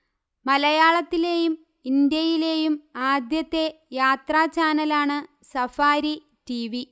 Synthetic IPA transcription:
mɐlɐjaːɭɐt̪ːile̞ːjum | ind̪jɐjile̞ːjumaːd̪jɐt̪ːe̞jaːt̪raːt͡ɕaːnɐlaːɳɨ | sɐfaːɾi | tiʋi

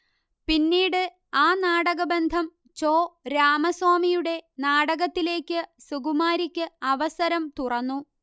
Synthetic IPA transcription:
pinːiːɽɨ | aːnaːɽɐɣɐbe̞nd̪ʱɐm | t͡ɕo̞ːɾaːmɐswaːmijuɽe̞naːɽɐɣɐt̪ːile̞ːkʲːɨsuɡumaːɾikʲːɨɐʋɐsɐɾɐmt̪urɐnːu

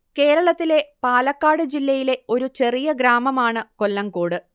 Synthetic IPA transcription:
ke̞ːɾɐɭɐt̪ːile̞paːlɐkːaːɽɨd͡ʑilːɐjile̞o̞ɾut͡ɕe̞rijɐɡɾaːmɐmaːɳɨko̞lːɐŋkoːɽɨ

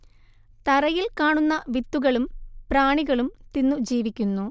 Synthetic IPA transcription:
t̪ɐrɐjilkaːɳunːɐʋit̪ːuɣɐɭumpraːɳiɣɐɭumt̪inːud͡ʑiːʋikʲːunːu

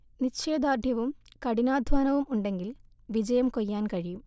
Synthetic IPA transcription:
niɕeːd̪aːrd̪ʱjɐʋumkɐɽinaːd̪ʱʋaːnɐʋumuɳɖe̞ŋɡil | ʋid͡ʑɐjɐmkojːaːnkɐɻijum

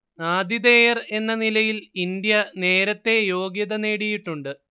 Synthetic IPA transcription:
naːd̪id̪e̞jɐre̞nːɐnilɐjilind̪jɐne̞ːɾɐt̪ːe̞jo̞ːɡjɐðɐneːɽijiʈːuɳɖɨ

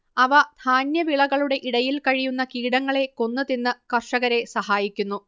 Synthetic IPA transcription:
ɐʋɐd̪ʱaːnjɐʋiɭɐɣɐɭuɽe̞ʔiɽɐjilkɐɻijunːɐkiːɽɐŋːɐɭe̞ko̞nːɐðinːɨkɐrʂɐɣɐɾe̞sɐhaːjikʲːunːu

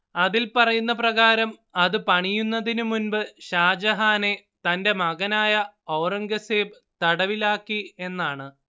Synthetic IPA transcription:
ɐðilpɐrɐjunːɐprɐɣaːɾɐm | ɐðɨpɐɳijunːɐðinumunbɨɕaːd͡ʑɐɦaːne̞ | t̪ɐnde̞mɐɣɐnaːjɐɐwrɐŋɡɐseːbɨt̪ɐɽɐʋilaːkːie̞nːaːɳɨ

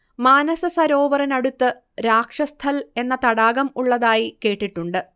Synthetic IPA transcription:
maːnɐsɐsɐɾo̞ːʋɐrɐnɐɽut̪ːɨ | ɾaːkʂɐst̪ʰɐle̞nːɐt̪ɐɽaːɣɐmuɭːɐðaːjike̞ːʈːiʈːuɳɖɨ

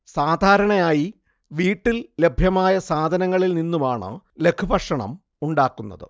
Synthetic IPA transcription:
saːd̪ʱaːɾɐɳɐjaːji | ʋiːʈːille̞bʱjɐmaːjɐsaːd̪ʱɐnɐŋːɐɭilninːumaːɳɨ̰ | le̞kʰubɐʂɐɳɐ̰m | uɳɖaːkːunːɐ̰ðɨ̰

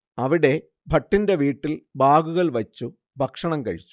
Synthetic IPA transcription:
ɐʋiɽe̞ | bʱɐʈːinde̞ʋiːʈːilbʱaːɡuɣɐɭʋɐt͡ɕːu | bʱɐkʂɐɳɐmkɐɻit͡ɕːu̥

